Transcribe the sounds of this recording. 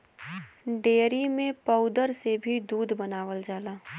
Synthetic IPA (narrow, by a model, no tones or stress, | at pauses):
ɖeːɾimẽpəʊd̪əɾsebʱid̪uːd̪bənaːʋəld͡ʒaːlaː